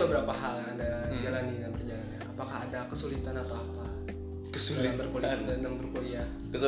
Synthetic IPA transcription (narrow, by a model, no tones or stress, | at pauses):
bəbəɾapaɦaladad͡ʒalanidankəd͡ʒalanɲaapakaɦadakəsulit̪anapaːpa | kəsuliabərkoadaŋbərkoiah | kəs